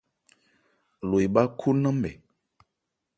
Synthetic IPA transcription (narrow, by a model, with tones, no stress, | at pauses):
lo˨jba˦kʰu˦nə̃˦m˦bɛ̰˨